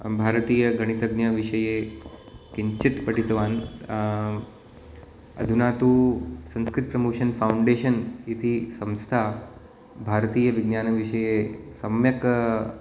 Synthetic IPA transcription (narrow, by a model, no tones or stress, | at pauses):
bʱaːɾət̪iːjəɡɐɽ̃it̪ɐɡnjaʋiʂəje | kiɲt͡ɕit̪pɐʈit̪ʋaːn | ɐ̰d̪ʱunaːt̪uːsɐ̃ñskɾɪt̪̚pɾɐmoːʂɐnfawuɳɖeːʃənit̪ʰisɐ̃wst̪ʰa | bʱaːɾət̪iːjəʋiɡnjaːnʋiʂəjesɐmjɐk